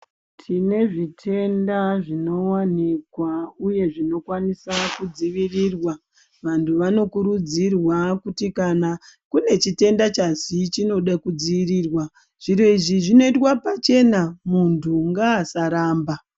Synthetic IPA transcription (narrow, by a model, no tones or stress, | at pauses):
tʰine̞ʐitʰe̞ndaʐino̞wanikwauje̞ʐino̞kwanisakud͡ziʋirirwa | ʋantʰuʋano̞kuɾud͡zirwakutikanakune̞t͡ʃite̞ndat͡ʃasit͡ʃino̞ɗakud͡ziʋiriːrwa | ʐ̥iro̞iʐiʐino̞itwapat͡ʃe̞namuntʰuŋɡaːsaɾaːmba